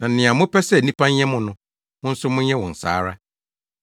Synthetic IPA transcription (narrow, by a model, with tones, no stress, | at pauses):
nã˨nɪ̃˨ã˨mʊ̃˦pɛ˦sɛ˦˨nĩ˦pʰã˦ɲ˦ɲɛ̃˦mʊ̃˨nʊ̃˦ | mʊ̃˦n̩˦sʊ˦mʊ̃˦ɲɛ̃˦wɔ̃˨n̩˨sa̰ː˦ɾa˦